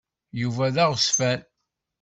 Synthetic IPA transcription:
juvæðæʁsfæl

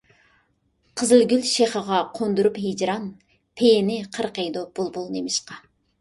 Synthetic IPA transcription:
qʰəzɨlˠɡʲylʃeχəʁɑqʰond̪uɾupɦed͡ʒɾɑn | pʰejnɪqʰəɾqejd̪ob̥ulˠbulˠnemɪʃqɑ

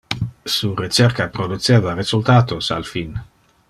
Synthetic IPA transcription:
suret͡ʃɛrkapɾod̪ut͡seːvaɾezult̪aːt̪osa̰lfin

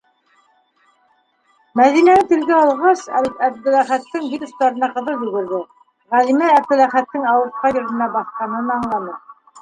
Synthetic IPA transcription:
mæðinænɘt̪ɘ̆lɡæɑlˠʁɑsæ̰βit̪æb̚d̪ɘ̆læχæt̪ːɘŋvit̪ŭst̪ɑɾɤ̆nɑqɤ̆ðɤlˠjɵ̆ɡɘ̆ɾðɘ | ʁæðimæːb̚d̪ɘ̆læχæt̪ːɘŋɑwɤ̆ɾt̪̚qɑjɤ̆ɾɤ̆nɑbɑθqɑnɤ̆nɑɴlˠɑnɤ

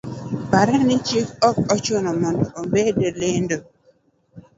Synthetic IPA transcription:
paɾɛnɪt͡ʃikɔkɔt͡ʃonɔmɔndɔombedelɪndo

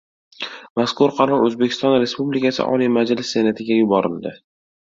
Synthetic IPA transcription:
maskʊɾqʰɑɾɒɾɵzbekʲʰɪst̪ɒnɾe̞spublikʲʰasɪ̰ʔɒ̰lijmad͡ʒlɪsːe̞nat̪ʰɪɡʲajʊbɒɾɪ̰lˠd̪ɪ

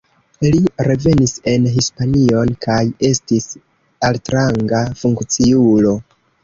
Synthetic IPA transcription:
liɾe̞ve̞nise̞nɦispanio̞nkaje̞stis | altɾaŋɡafuŋkt͡siulo̞

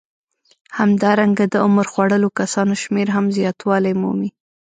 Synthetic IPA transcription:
hamd̪ɑɾaŋɡad̪əʊməɾxwaɽəlokasɑnoʃmeɾɦamzjɑt̪wɑlajmṵmi

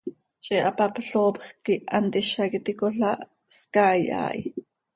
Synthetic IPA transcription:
t͡ʃʼiʔapapɬoːpxkiʔant̪iʃakit̪ikoɬaʔ | skaːja̰ːj

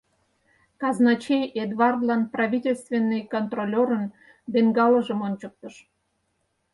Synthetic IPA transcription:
kɑznɑt͡ɕejed̪vɑrd̪lɑnprɑβʲitʲelʲst̪vʲenːɨjkont̪rolʲoɾən | b̪eŋɡɑləʒəmonʲt͡ɕək̚t̪əʃ

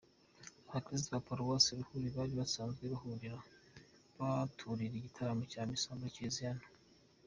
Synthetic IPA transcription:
aβateziβapoɾuwosiɾuhuɾiβaɾiβasaːnzɡeɾuɦuɾiɾa | βatʰuɾiɾiɟitʰaɾamocaːmisaːmbaciziano̥

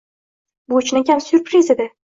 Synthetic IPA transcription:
bot͡ʃʰnakʲansʊɾpɾized̪ɪ

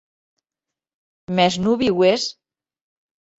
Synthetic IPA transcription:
mɛznuβiɣwes

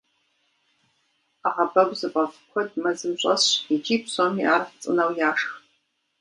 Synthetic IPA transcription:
aʁabɐɡʷzɨpʼɐfkʷʰɔdmɐzɨmɕʷʼɐsid͡ʒiːpsomiʔaːrft͡sʼɨ̰nɐwjaːʂx

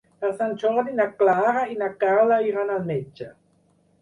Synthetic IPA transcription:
aʁsant͡ʃoʁdinaklaʁainakalaiʁanalmet͡ʃːa

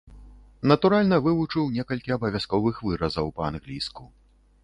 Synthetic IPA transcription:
nɐt̪uɾalʲnɐvɨvut͡ʂɨwnʲɛkɐlʲkʲiɐbɐvʲaskɔvɨxvɨɾɐzɐwpɐanɣlʲisku

